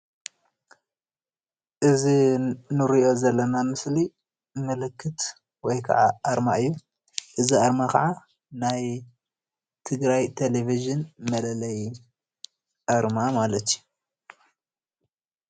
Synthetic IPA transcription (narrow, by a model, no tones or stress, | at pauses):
ʔɨzinɨɾiʔo̞zɐlːɐnamɨsli | mɨlɨkʰːɨt̪ | wɔjkʰɐ̰ʕaʔaɾma̰ɨjːu | ʔɨziʔaɾmakɐ̰ʕa | naj | t̪ʰɨɡɾajt̪ʰeleviʒɨnmɐlɐlɐj | ʔaɾmamalɐt̪ju